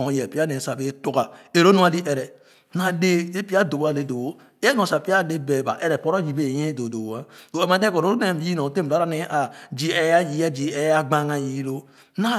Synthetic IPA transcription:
jɛ˨pi˦a˦ne˨sa˨be˦tu˨ɡa˨e˨ɾo˦nũ˦a˨di˦ʔe˨ɾɛ˨ | na˨de˦e˦pi˦a˦do˨ba˦˨le˦do˨o˦ | e˦nõ˨sa˨pi˦a˦de˦be˨ba̰˨ʔe˦ɾɛ˨pɔ˦ɾo˦d͡ʒi˨be˦˨je˦do˨do˨ba˦o˨e˦ma˨˦de˦ko˨ɾo˦o˦ne˦˨m˨˦i˦nõ˨te˦m˨˦ɾa˦ne˦ʔa˨d͡ʒi˦ɛ˦ja˦ji˦a˦d͡ʒi˨ɛ˦ja˦ɡ͡ba˦ŋa˨ji˨˦lo˦ | na˦

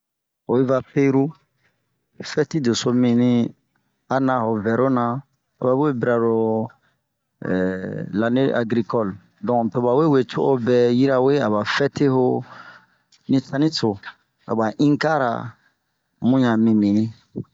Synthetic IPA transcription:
o˨i˦va˦pe˦ɾu˦ | fɛ˦ti˦do˨so˦mĩ˨nĩ˦ | a˨nã˧ho˨vɛ˨ɾo˦nã˨ | a̰˨ba˨˦e˦bi˦ɾa˨ɾo˨ | la˨ne˦ʔa̰˨ɡɾi˨kɔ˦˨l | dɔ̃˨pɛ˨ba˨we˦we˨t͡ʃo˦ʔo˦bɛ˨ji˦ɾa˦˨we˦a˨ba˨fɛ˦te˦ɦo˦ | nĩ˦tã˦nĩ˦so˨ | a̰˨ba˨ʔĩ˦ŋka˦ɾa̰˨ | mũ˦ɲã˨mĩ˨mĩ˨nĩ˦

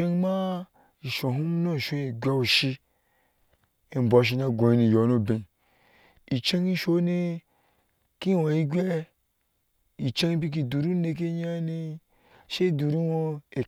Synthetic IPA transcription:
e˦ŋma˦ | i˨ʃo˨ɦu˦m˦no˦˨ʃo˨˧˦ɡʲʷa˦wo˨ʃi˧ | e˨m˨bo˨˦ʃ̬i˧na˧ɡʷõ˨ji˧ni˧˨jo˨˦no˦bẽ˨ | i˨t͡ʃe˦ŋi˦ʃo˦ne˧ | ki˦wo˨ji˦ɡʲʷɛ˦ | i˨t͡ʃe˦ŋ˦bi˦k̬i˧˨du˨ɾu˦ne˧k̬e˦ɲa˦ni˧ | ʃe˦i˦du˨ɾu˦wo˧e˨

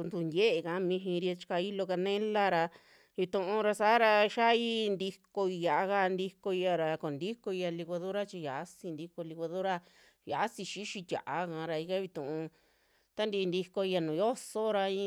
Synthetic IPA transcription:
nd̪u˧ndʲe˦ʔe˧kã˨˧˦mĩ˧ɦĩ˧ɾi˧a˧t͡ʃi̥˧ka˧i˦lo˧ka˧nẽ˦la˦ɾa˧ | βi˧t̪ũ˧ʔũ˧ɾa˧sa˨˦ɾa˧ʃa˦i˦nd̪i˧ko˧i˧ja˨a˧ka˧nd̪i˧ko˧i˧ja˧ɾa˧ko˨nd̪i˦ko˧i˧ja˧li˧ɣa˧ðo˦ɾa˦t͡ʃi˧ja˨ʔsĩ˧nd̪i˧ko˧li˧ka˧ðo˦ɾa˦ | ja˨˦si˧ʃi˦ʃi˧tʲa̰˨ʔa˧kã˧ɾa˧i˧ka˦βi˧t̪ũ˨ũ˧ | t̪a˦nd̪i˧nd̪i˧ko˧i˧ja˧nũ˨jo˦so˦ɾa˧ĩ˦

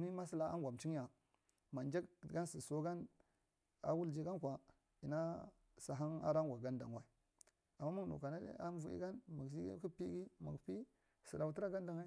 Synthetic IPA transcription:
mi˦ma˦si˦la˨˦a̰˦ŋɡʷa˨mt͡ʃi˦ŋ˦ja˨ | ma˨nd͡ʒa˦kɡa˦nsi˨so˦ɡa˦n | a̰˨wu˦ld͡ʒi˦ɡa˦nkʷa˨ | i˨na˦ | sa˨ɦa˦na̰˦ɾa˦ŋɡʷa˨ɡa˦nda˨ŋwa˦˨ | a˨mːa˦ma˦ŋ˨nṵ˨ka˨na̰˦a˦n˦vu˦ḭ˦ɡa˦nma˨ɡd͡ʒi˦ɡ̰ku˦pi˦ɡi˦ma˨ɡpi˦ | si˨ɾa˨u˦ti˦ɾa˦ɡa˦nda˨ŋwa˦

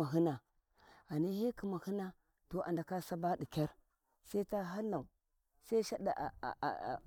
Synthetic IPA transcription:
a˨ɦi˦na˨ | a˨ni˦d͡ʒi˦ki˨ma˨hi˦na˦ | to˨ʔa̰˨nda˨ka˦sa˦ba˦ɗi˨kʲa˦ɾ | sa˦i˦ta˦ɦa˦lːa˨u˨ | sa˦i˦ʃa˦ɗa̰˨ʔ

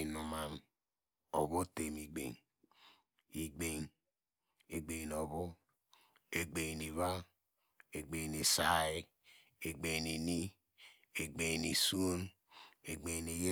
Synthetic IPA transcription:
nu˨ma˨n | o̰˨βo˦te˨mi˨ɡ͡bḛ˨ŋ | i˨ɡ͡be˨ŋ | e˨ɡ͡be˨no˨βo˦ | e˨ɡ͡be˨ni˨βa˦ | e˨ɡ͡be˨ne˨sa˨i˦ | e˨ɡ͡be˨ni˨ni˦ | e˨ɡ͡be˨nḭ˨su˦n | e˨ɡ͡be˨ne˨je˦

